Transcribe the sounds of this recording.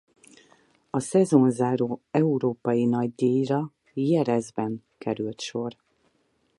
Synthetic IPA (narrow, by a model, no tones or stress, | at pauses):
ɒsɛzonzaːɾoːɛuɾoːpɒjinɒɟd̪iːjrɒ | jɛɾɛzbɛŋ | kɛɾylt̪ʃo̞r